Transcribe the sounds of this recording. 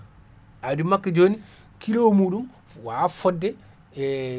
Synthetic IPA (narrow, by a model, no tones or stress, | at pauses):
ʔadimakːad͡ʒoːni | kilowmuːɗum | wafɔdːɛ